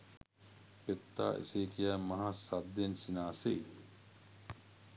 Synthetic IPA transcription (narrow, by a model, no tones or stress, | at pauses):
pet̪ːa̰ːʔḭseːkijæːmɐɦasad̪ːensinaːse